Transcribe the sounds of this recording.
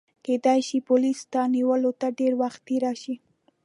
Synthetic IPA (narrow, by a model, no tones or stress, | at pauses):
ked̪ajʃipolist̪aniwəlot̪aɖeɾwaxt̪ːeɾaʃi